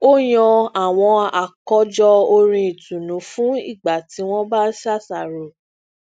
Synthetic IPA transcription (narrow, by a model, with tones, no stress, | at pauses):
o˦j̃ɔ̃˧a˨w̃ɔ̃˧a˨kɔ˧˦d͡ʒɔ˧o˧ɾĩ˧i˨tũ˨nũ˨˦fũ˦ḭ˦˨ɡ͡ba˨ti˨˦w̃ɔ̃˦ba˦sa˦˨sa˨ɾo˨